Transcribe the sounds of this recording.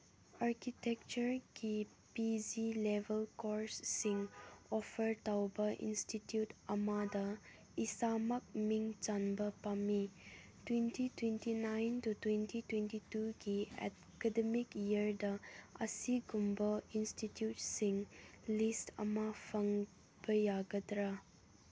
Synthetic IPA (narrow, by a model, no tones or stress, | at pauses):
aɾkitɛk̚t͡ʃuɾɡi | pid͡ʒilebəlkɔɾsːiŋɔfʰəɾtawbɐʔḭnstitjutɐmadɐ | isamɐk̚miŋt͡ʃanbɐpami | twentitwentinajntutwentitwentituɡiɛ̰ | kɛdemikiɾdɐɐsiɡumbɐinstitjut̚siŋlistɐ̰mapʰɐŋ | b̥ɐjaɡɐdɾa